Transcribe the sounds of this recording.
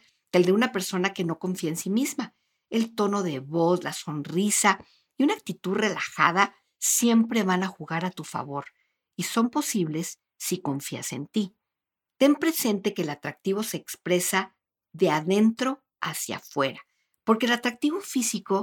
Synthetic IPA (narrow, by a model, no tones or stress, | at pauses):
d̪̥e̞ld̪e̞unape̞ɾso̞nake̞no̞ko̞ɱfiaensimizma | e̞lt̪o̞no̞ðe̞βo̞slaso̞nrisa | iunak̚t̪it̪uðre̞laxaða | sje̞mpɾe̞βanaxuɣaɾat̪ufa̰βo̞ɾ | iso̞mpo̞siβle̞sː | iko̞ɱfia̰se̞̰nt̪i | t̪e̞mpɾe̞se̞nt̪e̞ke̞ːlat̪ɾak̚t̪iβ̞o̞se̞ːkspɾe̞sa | ðe̞aðe̞nt̪ɾo̞ | asja̰fwe̞ɾa | po̞ɾke̞ːlat̪ɾak̚t̪iβo̞fisiko̞